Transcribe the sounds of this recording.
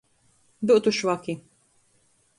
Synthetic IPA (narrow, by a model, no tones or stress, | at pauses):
d̪ʊʔt̪uʃwɐki